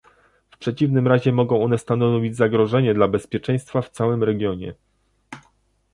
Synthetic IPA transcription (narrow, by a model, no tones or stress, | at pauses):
fpʂɛt͡ɕivnɘmɾaʑɛmɔɡɔ̃w̃ɔnɛst̪anɔvʲid͡ʑzaɡɾɔʐɛɲɛd̪labɛspʲjɛt͡ʂɛ̃j̃st̪faft̪sawɘmɾɛɡʲjɔɲɛ̰